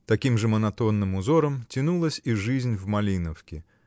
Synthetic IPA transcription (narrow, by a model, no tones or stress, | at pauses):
t̪akʲimʐɐmɐnat̪ɔnːɨmuzɔɾɐmt͡sʲinulˠɐsʲiʐɨzʲnʲwmalʲinɐwkʲi